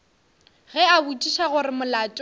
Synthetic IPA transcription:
ɣɛabut͡ʃʼiʃaɣʊɾɪmʊlaːt͡ʃʼ

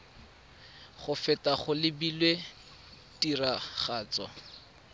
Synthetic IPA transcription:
χʊfɛtaχʊlɪbilwe | tiraχaːt͡sɔ̰

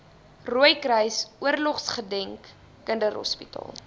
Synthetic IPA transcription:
ruəjkrəjsuərlɔχsχədɛŋkː | əndərɦɔ̰spitɑ̰ːlˠ

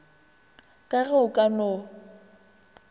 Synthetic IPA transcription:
kʼaɣɛʊkʼano

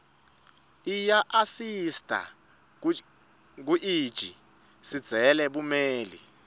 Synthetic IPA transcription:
ijaʔasistʼa̰ | k̬uʔiːd̥ʒ̥ʱi | si̥d͡z̥ʱɛlɛɓumeːlḭ

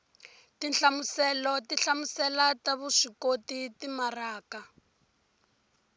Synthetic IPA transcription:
tinɬamusɛlɔtiɬamusɛlataβuʂikotitimaraːka

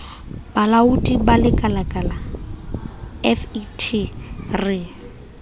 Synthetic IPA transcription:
balaudibalɪkʼalakʼala | ɛfitʰirɪ

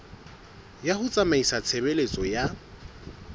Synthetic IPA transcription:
jahʊt͡sʼamaisat͡sʰebelet͡sʼɔja

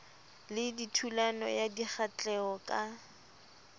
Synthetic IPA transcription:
lɪditʰulanɔ̰jadiχat͡ɬʼɛɔkʼa

